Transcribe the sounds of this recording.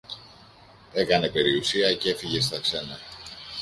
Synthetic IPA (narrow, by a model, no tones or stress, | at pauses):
e̞kɐne̞pe̞ɾiusiɐce̞fiʝe̞st̪ɐkse̞nɐ